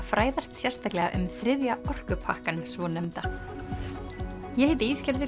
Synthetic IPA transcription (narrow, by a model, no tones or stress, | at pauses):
fɾaːjðast̪sjɛr̥st̪ʰaklɛɣa̰ʔʏ̰mθɾɪðjaʔɔr̥kʏpʰahkansvɔnɛmt̪a | jɛhɪːt̪ɪiːscɛɾðɪ